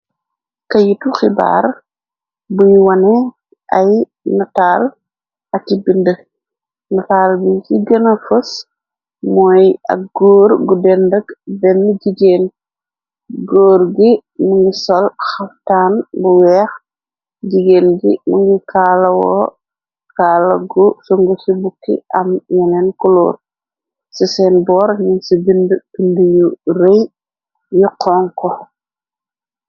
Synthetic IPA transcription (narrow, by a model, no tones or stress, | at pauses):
kɐjituxiba̰ːr | bujwɐnɛ | ʔɐj | nɔtaːl | ɐtibində | nɔtaːlbikiɡənɐfus | mɔːjɐ̰k̚ɡɔːɾɡudɛndəkbɛnːuɟiɡeːn | ɡɔːɾɡimuŋɡisɔlxaftaːnbuwɛːx | ɟiɡeːnɡḭmuŋɡikaːlɐwɔ̰ː | kalɐ̰ɡusoŋɡusibukːḭʔɐmjɛnɛnkulṵːr | sisɛnbɔːɾɲinsibindbindujuɾej | juqʰɔːŋkɔ